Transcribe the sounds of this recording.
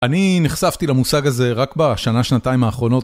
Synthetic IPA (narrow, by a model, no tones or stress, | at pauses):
aniniχsavt̪ilamusaɡaze̞ʁakbaʃanaʃnat̪aimaːχʁo̞no̞t